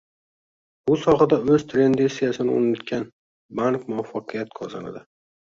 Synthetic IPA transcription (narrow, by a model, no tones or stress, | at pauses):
bʊsɒχɨd̪aɵzt̪ʰɾe̞nd̪esijasɪnɪo̰nɪt̪kʲan | baŋkmʊafːɒqʰɨjat̪̚kʰɒza̰na̰d̪ɪ